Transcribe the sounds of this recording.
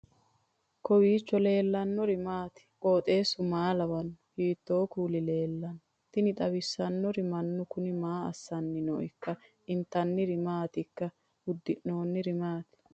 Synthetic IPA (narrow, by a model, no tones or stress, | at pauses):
kɔwiːt͡ʃːɔle̞ːlːɐnːɔɾɪmaːt̪ɪ̥kʼo̞ːt̪ʼe̞ːsʊmaːlɐwɐnːhiːt̪ːoːkuːlɪle̞ːlːɐn | t̪ɪnɪt̪ʼɐwɪsːɐnːɔɾɪmɐnːʊkʊnɪmaːɐsːɐnːɪnɔ̰ʔɪkːɐ | ɪnt̪ːɐnːɪɾɪmaːt̪ɪkːɐ | ʊd̪ːɪʔno̞ːnːɪɾɪmaːt̪ɪ̥